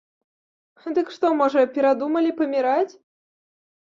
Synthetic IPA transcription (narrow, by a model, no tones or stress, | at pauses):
d̪ɨkʂt̪ɔmɔʐɐpʲɛɾad̪umɐlʲipɐmʲiɾat͡sʲ